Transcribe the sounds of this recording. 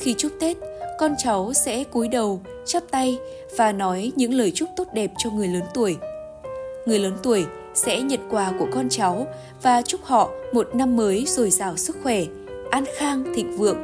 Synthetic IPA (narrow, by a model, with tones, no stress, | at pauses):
xi˧t͡ɕʊ˦˥k͡p̚t̪e˦˥t̚kɔ˧nt͡ɕa˨˦wsɛ̰˧˥ku˨˦jɗə˨˩w | t͡ɕa˦˥p̚t̪a˧j | vaː˨˩nɔ˨˦jɲɨ̰˧˥ŋləː˨˩jt͡ɕʊ˦˥k͡p̚t̪o˦˥t̚ɗɛ˨˩p̚t͡ɕɔ˧ŋɨ˨˩əjləː˨˦nt̪u˧˩əj | ŋɨ˨˩əjləː˨˦nt̪u˧˩əj | sɛ̰˧˥ɲə˨t̚kwaː˨˩ku˧˩əkɔ˧nt͡ɕa˨˦w | vaː˨˩t͡ɕʊ˦˥k͡p̚hɔ̰˧˨mo˨˩t̚na˧mːəː˨˦jzo˨˩jzaː˧˩wsɨ˦˥k̚xwɛ˧˩ | ʔaː˧nxaː˧ŋt̪ʰḭ̈˧˨ŋ̟vɨ̰˧˨əŋ